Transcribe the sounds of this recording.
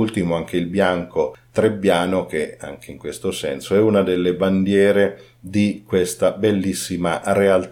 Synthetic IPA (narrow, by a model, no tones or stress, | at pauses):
ult̪imoaŋk̟eilbjaŋkot̪ɾebːjaːnok̟ea̰ŋk̟eiŋkwest̪osɛ̰nsoɛunad̪elːeband̪jɛːɾe | d̪ikwest̪abelːisːimarealt̪